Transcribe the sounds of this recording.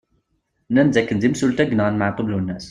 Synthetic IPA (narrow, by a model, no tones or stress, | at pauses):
nænzækːənd̪imsult̪æɡnɑnmaʕq̪əblunːæs